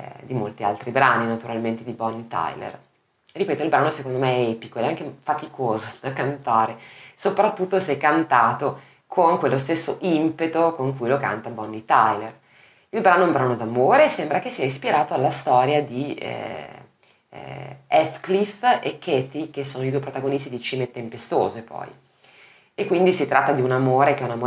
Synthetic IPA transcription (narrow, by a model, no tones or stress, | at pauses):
d̪imolt̪ia̰lt̪ɾibɾaːninat̪uɾalment̪ed̪ibɔnːit̪a̰jlḛr | ripeːt̪oilbɾaːnosekond̪omeɛɛpikodɛaŋk̟efat̪ikʰoːzod̪akant̪aːɾesopɾat̪ːut̪ːosɛkːant̪aːt̪o | kʰoŋkwelːos̬t̪esːoʔimpet̪okoŋkujloka̰nt̪abɔnːit̪ajler | ilbɾaːnoumbɾanod̪amoːɾesembɾakesːiaispiɾaːt̪oalːast̪ɔːɾjad̪iɛ̰ | ɛt̪klifekːɛt̪ik̟esːoːnoid̪uepɾot̪aɡonist̪id̪it͡ʃiːmet̪empest̪o̰ːzepɔ̰j | ekːwind̪isit̪ɾʔat̪ːad̪iunamoːɾek̟ɛunamo